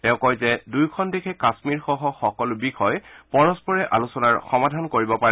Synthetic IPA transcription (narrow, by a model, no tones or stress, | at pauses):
tɛ̃ʊ̃kɔjzɛdujkʰɔndekʰɛkasmiɹxɔɦɔxɔkɔlbixɔjpɔɹɔspɔɹɛʔa̰lusɔnaɹxɔmadʱankoɹibɔpaɛ